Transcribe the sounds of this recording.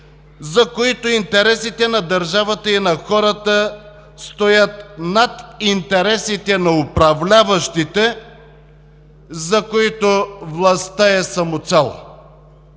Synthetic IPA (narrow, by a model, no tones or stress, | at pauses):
zɐkoit̪oint̪ɛɾɛsit̪ɛnɐd̪ɐɾʒavət̪əinɐxɔɾət̪ə | st̪ojət̪nat̪int̪ɛɾɛsit̪ɛnɐʊpɾɐvlʲavəʃt̪it̪ɛ | zɐkoit̪ovlˠɐst̪əɛsɐmot̪sɛl̰ˠ